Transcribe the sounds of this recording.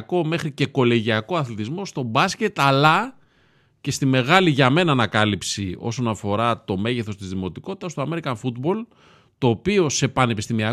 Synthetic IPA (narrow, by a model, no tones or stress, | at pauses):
ko̞me̞xɾice̞ko̞le̞ʝiɐko̞ɐθlit̪izmo̞st̪o̞bɐsce̞t̪ɐlɐ | ce̞st̪ime̞ɣɐliʝɐme̞nɐːnɐkɐlipsio̞̰so̞nɐfo̞ɾɐt̪o̞me̞ʝeθo̞st̪izðimo̞t̪iko̞t̪i̥t̪ɐst̪oɐme̞ɾikɐɱfud̪bo̞l | t̪o̞ːpio̞se̞pɐne̞pist̪imiɐ